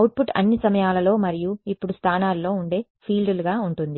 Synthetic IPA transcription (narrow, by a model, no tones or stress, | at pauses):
ɐwʈ̚puʈɐ̰nːisɐmɐjaːlɐlo̞ːmɐɾijuipːuɽust̪ʰaːnaːlːo̞ːuɳɖe̞ː | pʰiːlɖuluɡaːuɳʈund̪i